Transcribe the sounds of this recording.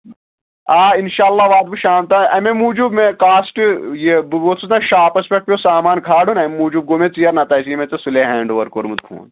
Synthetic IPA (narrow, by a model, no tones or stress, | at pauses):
aːinʃaːlːaːʋaːd̪̚biʃaːmt̪aɐmemuːd͡ʒubmẽkaːsʈɨjebuɡot̪sʰut̪ãʃaːpɐspek̚ʈ̚pjosaːmaːnkʰaːɽunɐmemuːd͡ʒub̚ɡomẽt͡sijɐɾnɐt̪ɐːsimẽt͡sɐsuleɦɛːɳɖoːɐɾkoːɾmut̪kʰṵ̃ːn